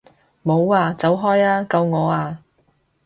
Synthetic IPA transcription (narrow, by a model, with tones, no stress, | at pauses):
mo˨˧waː˧t͡sɐ˨˥wɦɔː˥jaː˥kɐ˧wŋɔː˨˧aː˧